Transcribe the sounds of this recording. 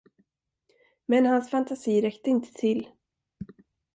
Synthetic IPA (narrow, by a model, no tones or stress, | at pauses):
mɛnɦansfant̪ʰasiːɾɛkt̪əɪnt̪ʰə̥t̪ʰɪlː